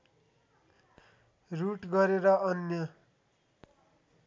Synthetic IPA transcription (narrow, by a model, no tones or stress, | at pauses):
ruʈɡʌɾeɾʌʌnjʌ